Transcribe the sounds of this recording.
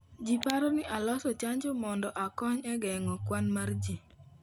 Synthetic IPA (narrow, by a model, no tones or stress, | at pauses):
d͡ʒipaɾɔnɪʔalɔsɔt͡ʃaɲd͡ʒomɔndɔʔakɔɲɛɡɛŋɔkwanmard͡ʒi